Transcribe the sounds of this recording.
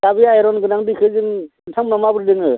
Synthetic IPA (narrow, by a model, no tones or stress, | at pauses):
dabijajɾɔnɡɯnaŋdikʰɯzɯŋ | tʰamnamabɯɾdɯŋɯ